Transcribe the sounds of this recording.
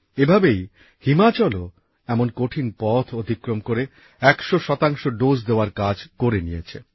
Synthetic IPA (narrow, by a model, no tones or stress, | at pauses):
ebʱabej | himat͡ɕɔlo | ɛmonkoʈʰinpɔt̪ʰod̪ʱikːɾomkoɾe | ɛkʃoʃɔt̪aŋʃoɖosd̪eoaɾkad͡ʑkoɾenijet͡ɕʰe